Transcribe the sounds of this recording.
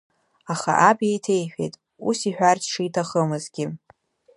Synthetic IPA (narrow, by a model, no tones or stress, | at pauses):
aχa̰ʔabejtʰe̞jħᶣḛjtʼ | ṵsiħᶣartʰʼʂijtʰaχəmɨzɡʲɪ